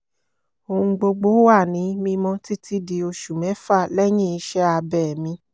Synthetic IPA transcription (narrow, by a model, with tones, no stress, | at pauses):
o˨ũ˧ɡ͡bo˧ɡ͡bo˨˦wa˦˨nĩ˨˦mĩ˧mɔ̃˧ti˦tʰi˦di˧o˧ʃu˨mɛ̃˨˦fa˦˨lɛ˦j̃ĩ˦˨i˧˦ʃɛ˦a˧bɛ˦˨mĩ˧